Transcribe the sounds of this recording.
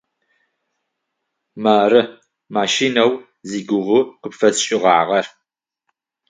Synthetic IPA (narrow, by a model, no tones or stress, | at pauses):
maːɾɨ | maːʃiːnɐw | ziːɡʷʊʁʊqəpfɐsɕʼɪʁɑ̰ːʁɐr